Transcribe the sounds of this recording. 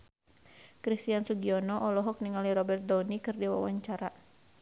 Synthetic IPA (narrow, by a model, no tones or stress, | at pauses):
kɾist̪iansuɡiɔnɔʔɔlɔɦɔk̚niŋaliɾɔbɛrt̪̚dɔnikɨrdiwa̰wa̰ɲt͡ʃaɾa